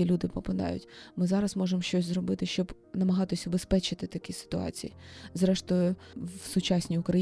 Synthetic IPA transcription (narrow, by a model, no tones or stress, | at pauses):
ilʲud̪ɪpɾɔpɐd̪ɑ̰jʊ̰tʲmɪzɑɾɐzmɔʒemʃt͡ʃɔsʲzrɔbɪt̪ɪʃt͡ʃɔb | nɐmɐɦɑt̪ɪsʲʊbespɛt͡ʃɪt̪ɪt̪ɐkʲisɪ̥t̪ʊɑ̰t͡sʲijizɾɛʃt̪ɔjʊwsʊt͡ʃɑsʲnʲiʊkɾɐ